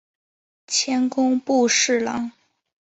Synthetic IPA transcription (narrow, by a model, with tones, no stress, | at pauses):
t͡ɕʰjɛ˥nkʊ˥ŋpu˥˧ʂɻ̩˥˩lɑ̰˧˥˦ŋ